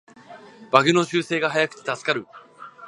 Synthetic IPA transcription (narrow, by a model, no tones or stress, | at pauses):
b̥aɡɯno̞ɕɨːse̞ːɡaɦajakɯ̟̥t̪e̥t̪asɨ̥kaɾɯ̟